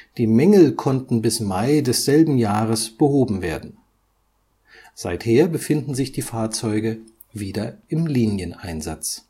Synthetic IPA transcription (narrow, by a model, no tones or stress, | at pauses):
d̥iːmɛŋl̩kʰɔntn̩bɪsmaɪdɛsz̥ɛlbm̩jaːʁəsb̥əhoːbm̩veːɐdn̩ | z̥aɪtheːɐbəfɪndn̩zɪçd̥iːfaːɐt͡sɔʏɡə | viːdɐʔɪmliːnjənʔa̰ɪnza̰t͡s